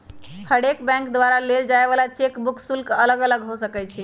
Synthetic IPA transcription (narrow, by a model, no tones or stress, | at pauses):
pʰəɽekbɛ̃ŋkd̪waɾaleld͡ʒaebalat͡ʃekbukʰsulkələɡələɡɦosəkɛt͡ʃʰi